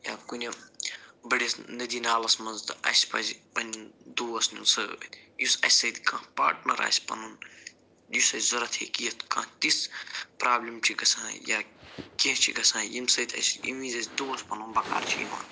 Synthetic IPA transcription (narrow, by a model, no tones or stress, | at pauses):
jaːkunʲɐ | bɐɽʲisnɐd̪iːnaːlɐsmɐnzt̪ɐ̰sʲpɐ̰zʲpɐnʲd̪uːɐsnʲunsɨjusɐ̰sʲsɐd̪ʲkãːpa̰ːʈnɐɾa̰ːsʲpɐnun | jusɐsʲzɐɾɐt̪ʰḛːkijɐt̪ʰkãːt̪ispɾaːblʲimt͡ʃʰikɐsãːja̰ːkẽt͡ʃʰḭɡɐsãːjimsɐd̪ʲɐ̰sʲḭmĩzɐsʲd̪uːwɐspɐnunbɐka̰ːɾt͡ʃʰiḭmã̰ːn